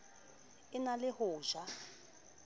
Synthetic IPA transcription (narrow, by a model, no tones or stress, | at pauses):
ɪnalɪhʊːʒa